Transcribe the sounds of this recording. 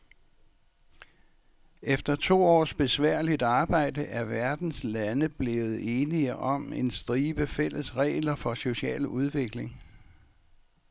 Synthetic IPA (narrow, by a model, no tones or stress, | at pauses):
efd̥ɐt͡sʰo̝̰ːɒ̰ːsb̥e̝sʋæɐ̰lid̥ɑ̈ːb̥ɑ̈ɪ̰d̥əʔæɐʋæɐd̥n̩slænəb̥le̝ːð̞̩ˠe̝ːniəʔɒ̽me̝nsd̥ʁiːb̥əfel̰əsʁɛ̰ːɪlɐfɒ̽so̝ɕɛ̰ːluð̞ˠʋe̝ɡ̥le̝ŋ